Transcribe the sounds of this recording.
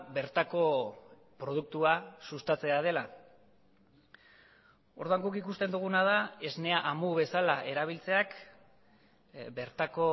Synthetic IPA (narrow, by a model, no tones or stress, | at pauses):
be̞ɾt̪ako̞ | pɾo̞ð̞uk̚t̪uasust̪at͡se̞aðe̞la | o̞ɾðuaŋɡukikust̪e̞nd̪uɣ̞unað̞ae̞zne̞aʔamuβe̞salaʔe̞ɾaβ̞ilt͡se̞ak | be̞ɾt̪ako̞